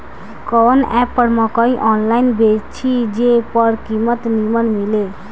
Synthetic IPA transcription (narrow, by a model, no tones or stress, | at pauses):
kʌnɛpːʌɽmʌkʌĩʔɔnlajnbet͡ʃʰid͡ʒepʌɾkimʌt̪nimʌnmile